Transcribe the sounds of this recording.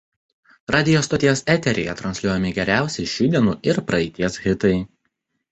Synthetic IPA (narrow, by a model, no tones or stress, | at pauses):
ɾɑːd̪ʲɪjost̪ot̪ʲijɛsɛt̪ʲɛɾʲɛ̰jɛt̪ɾɐnʲsʲlʲuɔjɛmʲɪɡʲɛɾʲæˑʊsʲɛɪʃʲuːd̪ʲiɛnuːʔɪɾpɾɐɛt̪ʲiɛsɣʲɪt̪ɐɪ